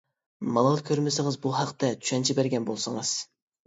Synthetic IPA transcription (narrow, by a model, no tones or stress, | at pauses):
mɑlˠɑlˠkʲʰøɾmɪsɪŋɨzbuɦɑqt̪ɛt̪ʰy̥ʃɛnt͡ʃʰibæɾɡʲɛnbolˠsɨŋɨz̥